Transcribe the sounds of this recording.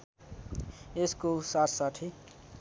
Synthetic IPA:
eskosaʈʰsaʈʰi

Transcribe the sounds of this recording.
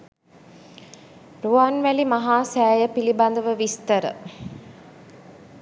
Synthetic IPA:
ɾuanʋælimaɦaːsæːjəpiliband̪əʋəʋist̪əɾə̰

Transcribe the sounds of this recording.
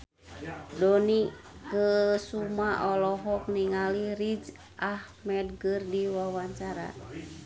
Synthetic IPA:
dɔnikəsumaʔɔlɔɦɔk̚niŋalirid͡ʒ | ʔahmɛd̚ɡərdiwawaɲt͡ʃaɾa̰

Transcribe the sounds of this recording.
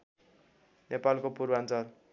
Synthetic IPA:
nepalkopurbant͡sʌl

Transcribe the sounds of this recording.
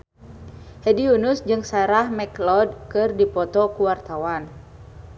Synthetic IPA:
hɛdiunusd͡ʒɨŋsaɛɾahmɛklɔd̚kɨrdipɔt̪ɔkuwart̪awan

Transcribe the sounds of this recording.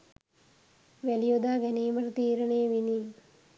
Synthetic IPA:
ʋælijod̪aːɡɛniːməɾət̪iːɾəɳeːʋini

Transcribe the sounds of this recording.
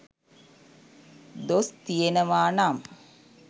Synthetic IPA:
d̪ost̪ijenəʋaːnam

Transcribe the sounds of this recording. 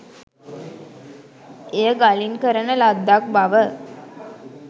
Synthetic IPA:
ejəɡalinkəɾənəlad̪ːak̚baʋə

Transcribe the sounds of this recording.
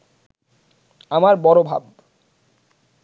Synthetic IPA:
amaɾbɔɾobʱa̰b

